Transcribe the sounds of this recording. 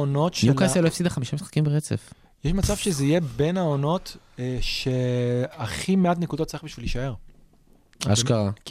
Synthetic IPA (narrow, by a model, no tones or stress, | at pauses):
ono̞tʃukaealoefsid̪aχamiʃamisχḁkimbeʁet͡sḛf | jeʃmat͡sav̥ʃezeije̞be̞naono̞tʃe̞aχimeat̪nekudot̪ːt͡saiχbiʃvilːiʃae̞ʁ | a̰ʃkaʁa